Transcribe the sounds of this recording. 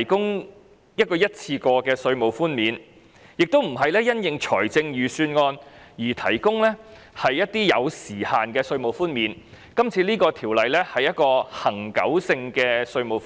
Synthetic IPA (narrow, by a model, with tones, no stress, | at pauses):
jkʊ˥ŋ | jɐ˥t̚kɔː˧jɐ˥t̚t͡sʰiː˧kɔː˧kɛː˧sɵ˧ɥmo˨wfuː˥nmiː˨˧n | jɪ˨k̚t̪o˥wm̩˨˩ɦɐ˨jlɛː˥jɐ˥njɪ˨ŋt͡ʃʰɔː˨˩jt͡sɪ˧ŋjyː˨˩syː˧nŋɔː˧njiː˨˩t̪ʰɐ˨˩jkʊ˥ŋlɛː˥ | hɐ˨jːɐ˥t̚t̪iː˥jɐ˨˧wsiː˨˩haː˨nkɛː˧sɵ˧ɥmo˨˩wfuː˥nmiː˨˧n | kɐ˥mt͡sʰiː˧liː˥kɔː˧t̪ʰiː˨˩wlɐ˨jlɛː˥hɐ˨jɐ˥t̚kɔː˧hɐ˨˩ŋkɐ̰˨˥wsɪ˧ŋkɛː˧sɵ˧ɥmo˨˩wf